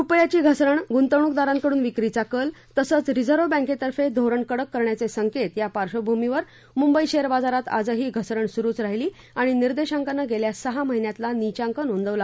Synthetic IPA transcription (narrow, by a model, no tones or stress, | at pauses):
upjat͡ɕiːɡʱəsɾəɳɡunt̪əwɳ̃uk̚d̪aɾãŋkəɽuːnʋikɾit͡sakəlt̪əsət͡sɾid͡zəɾʋobãŋket̪əɾfed̪ʱoɾəɳkəɽəkːəɾɳjat͡sesəŋket̪japaɾɕobʱumiʋəɾ | mumbəiɕeəɾbad͡zaɾat̪a̰d͡zəɦiːɡʱəsɾəɳsuɾuːt͡sɾaɦiliː | aɽ̃iniɾd̪eɕaŋkanːəɡeljasəɦaməɦinjat̪lanit͡ɕaŋkənond̪əʋla